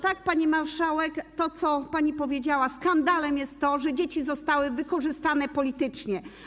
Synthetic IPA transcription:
t̪ak̚paɲimaɾʂawɛkt̪ɔt̪sɔpaɲipɔvʲjed͡ʑawaskand̪alɛmjɛst̪ːɔʐɛd͡ʑet͡ɕizɔst̪awɘvɘkɔʐɘst̪anɛpɔlʲit̪ɘt͡ʂɲɛ

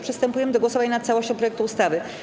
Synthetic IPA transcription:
pʂɨst̪ɛmpujɛmɘd̪ɔɡwɔsɔvaɲnat̪sawɔɕt͡ɕɔ̃pɾɔjɛkt̪uust̪avɘ

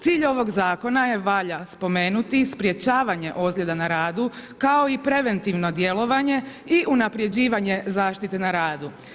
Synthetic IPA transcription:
t̪siːʎo̞ʋo̞ɡzaːko̞naje̞ʋaʎaspo̞me̞ːnut̪ispɾje̞t͡ɕaːʋaɲe̞ʔo̞zɡlʲʎe̞d̪anaɾaːd̪ukao̞ipɾe̞ʋe̞nt̪iʋno̞d̪je̞lˠo̞ʋaɲe̞ | iʔunapɾje̞d͡ʑiːʋaɲe̞zaːʃt̪it̪e̞naɾaːd̪u

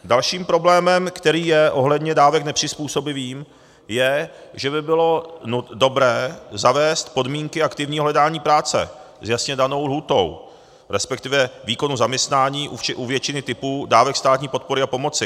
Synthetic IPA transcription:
dalʃiːmpɾo̞blɛːmɛmkt̪ɛɾiːjɛʔo̞ɦlɛdɲɛdaːvɛknɛpr̥ɪspuːso̞bɪviːm | jɛʒɛbɪbɪlo̞udo̞bɾɛːzavɛːst̪po̞dmiːŋkɪakt̪ɪvɲiːoɦlɛdaːɲiːpɾaːt͡sɛ̰ | zjasɲɛdano̞wlɦuːt̪o̞̰w | ɾɛspɛkt̪ɪvɛviːko̞nuzamɲɛst̪naːɲiːʔuʔuvjɛt͡ʃɪnɪt̪ɪpuːdaːvɛkst̪aːt̪ɲiːpo̞t̪̚po̞ɾɪapo̞mo̞t͡sɪ

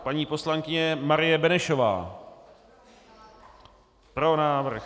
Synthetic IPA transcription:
paɲiːpo̞slaŋkɪɲɛmaɾɪjɛbɛnɛʃova̰ː | pɾo̞naːvr̩x

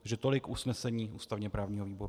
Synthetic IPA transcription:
ʒɛt̪o̞lɪkʔusnɛsɛɲiːʔuːst̪avɲɛpɾaːvɲiːɦoviːbo̞ɾ

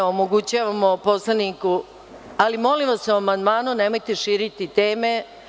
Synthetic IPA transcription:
omoɡut͡ɕaːʋamo̞po̞slˠaniku | alimo̞limʋasuamand̪maːnunemo̞jt̪eʃiːɾit̪it̪e̞ːme̞

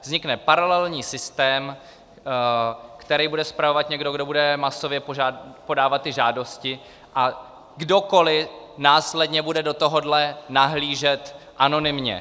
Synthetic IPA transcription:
vzɲɪknɛpaɾalɛlɲiːsɪst̪ɛːm | kt̪ɛɾijbudɛspɾavo̞vat̪ɲɛɡdo̞ɡdo̞budɛmaso̞vjɛpoʒapo̞daːvat̪̚tːɪʒaːdo̞scɪ | ʔa | ɡdo̞ko̞lɪnaːslɛdɲɛbudɛdot̪o̞ɦo̞dlɛnaɦliːʒɛt̪ | ʔano̞nɪmɲɛ̰

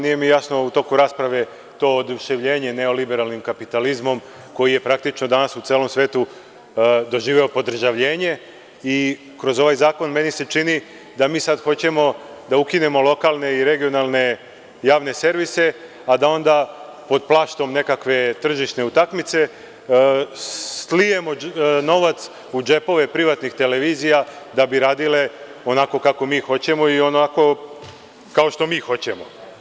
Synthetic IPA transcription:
nije̞mijasno̞ut̪o̞kuɾaːspɾaʋe̞ | t̪o̞ːod̪uʃeʋʎe̞ːɲe̞ne̞o̞libe̞ɾalnimkapit̪alizmo̞m | ko̞jije̞pɾak̚t̪it͡ʃnod̪anasut̪seːlo̞msʋe̞ːt̪u | d̪o̞ʒiːʋeo̞po̞d̪r̩ʒaʋʎe̞ːɲe̞ | i | kɾo̞zo̞ʋajzaːko̞nme̞nise̞t͡ʃini | d̪amiːsad̪xo̞t͡ɕe̞mo̞d̪aukine̞mo̞lˠo̞kalˠne̞iɾe̞ɡio̞nalˠne̞ | jaːʋnese̞ɾʋise̞ | ad̪ao̞nd̪apo̞d̪̚plˠaːʃt̪o̞mne̞kakʋe̞t̪r̩ʒiʃne̞ut̪akmit̪se̞ | sslije̞mo̞no̞ʋat̪s | ud͡ʒe̞po̞ʋe̞pɾiʋat̪nixt̪e̞le̞ʋiːzija | d̪abiɾaːd̪ile̞ | o̞nako̞kako̞miːxo̞t͡ɕe̞mo̞io̞nako̞ | kao̞ʃt̪o̞miːxo̞t͡ɕe̞mo̞

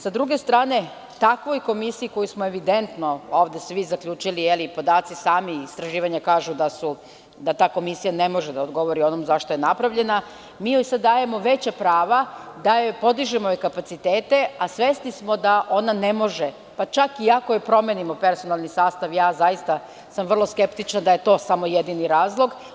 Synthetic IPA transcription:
sad̪ɾuɡe̞st̪ɾaːne̞ | t̪akʋo̞jko̞misiiko̞jusmoe̞ʋid̪e̞nt̪no̞oːʋd̪e̞sʋizaklʎuːt͡ʃilijelipo̞d̪aːt̪sisaːmiist̪ɾaʒiːʋaɲakaːʒud̪asu | d̪at̪aːko̞misijanemo̞ʒed̪aod̪ɡo̞ʋo̞ɾio̞nomzaʃt̪ojenapɾaʋʎe̞na | mijojsad̪̚d̪ːaːje̞mo̞ʋe̞t͡ɕapɾaːʋad̪aepo̞d̪iʒemoekapat̪sit̪eːt̪e̞asʋe̞snismo̞d̪aʔo̞nanemo̞ʒe | pat͡ʃakiako̞jepɾo̞menimo̞pe̞ɾso̞nalˠnisaːst̪aʋjaːzajist̪a | samʋrlˠo̞ske̞pt̪it͡ʃnad̪aje̞t̪o̞ːsamo̞jed̪iniɾaːzlˠo̞ɡ

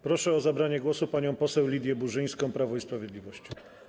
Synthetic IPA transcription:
pɾɔʂɛɔzabɾaɲɛɡwɔsupaɲɔ̃w̃pɔsɛwlʲid̪ʲjɛbuʐɘj̃skɔ̃w̃pɾavɔ̃ispɾavʲjɛd̪lʲivɔɕt͡ɕɔ

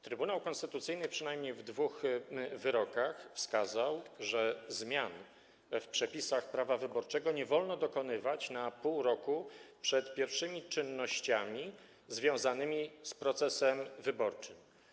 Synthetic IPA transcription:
t̪ɾɘbunawkɔnst̪ɘt̪ut̪sɘjnɘpʂɘnajmɲejvd̪vuxvɘɾɔkaxfskazawʐɛzmʲjan | fpʂɛpʲisaxpɾavavɘbɔɾt͡ʂɛɡɔɲɛvɔlnɔd̪ɔkɔnɘvat͡ɕnapuwɾɔkupʂɛt̪pʲjɛɾfʂɘmʲit͡ʂɘnːɔɕt͡ɕamʲi | zvʲjɔ̃w̃zanɘmʲispɾɔt̪sɛsɛmvɘbɔɾt͡ʂɘm

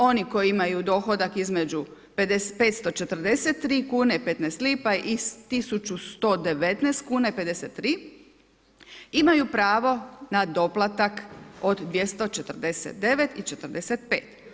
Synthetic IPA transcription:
o̞niko̞jiimajud̪o̞ːxo̞d̪akizme̞d͡ʒu | ped̪espet̪st̪o̞t͡ʃe̞t̪r̩d̪e̞set̪ːɾiːkuːneipe̞t̪nɛst̪liːpaʔist̪isut͡ʃust̪od̪e̞ʋe̞t̪nɛːst̪kuːnaipe̞d̪eset̪ːɾiː | imajupɾaːʋo̞nad̪o̞plˠat̪akod̪d̪ʋje̞st̪o̞t͡ʃe̞t̪r̩d̪e̞sḛt̪̚d̪e̞ʋet̪it͡ʃe̞t̪ɾ̩d̪e̞set̪peːt̪

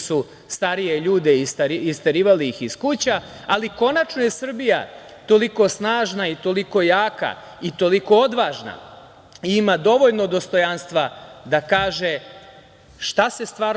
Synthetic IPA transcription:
su | st̪aɾije̞ʎuːd̪eist̪iist̪aɾiːʋaliixiskut͡ɕaː | liko̞nat͡ʃno̞je̞sr̩bija̰ | t̪o̞liko̞snaːʒnait̪o̞liko̞jaːka̰ | it̪o̞liko̞od̪ʋaːʒna̰ | iimad̪o̞ʋo̞ʎnod̪o̞st̪o̞janst̪ʋad̪akaːʒe | ʃt̪ase̞st̪ʋaːɾ

